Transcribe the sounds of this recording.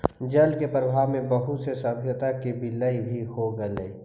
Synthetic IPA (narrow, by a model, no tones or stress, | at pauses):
d͡ʒɐlkepɾəbʱaːʋmẽbɐɦʊt̪sesɐbʱjət̪akibɪləibʱiɦhoɡələi